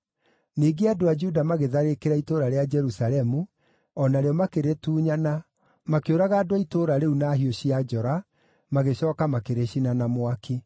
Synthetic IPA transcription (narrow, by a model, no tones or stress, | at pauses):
niːɡeadoad͡ʒudamaɣeðaɾekeɾaitoɾaɾead͡ʒɛɾusalɛmu | ɔnaɾeɔmakeɾetuːɲana | makeoɾaɣaːdowaitoɾaɾeunaɦioɕiad͡ʒɔɾa | maɣeɕɔːkamakeɾeɕinanamwakʰi